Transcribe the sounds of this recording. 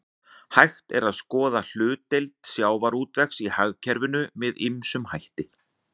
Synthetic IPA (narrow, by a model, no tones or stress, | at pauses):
hajxt̪ɛɾaðskɔːðal̥ʏːt̪ejlt̪sjaːwvaɾuːt̪vɛxsihaɣcʰɛɾvɪnʏmɪðɪmsʏmhajht̪ɪ